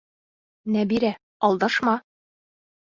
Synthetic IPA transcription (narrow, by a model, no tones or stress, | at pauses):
næbiɾæ | ɒlˠd̪ɑʃmɑ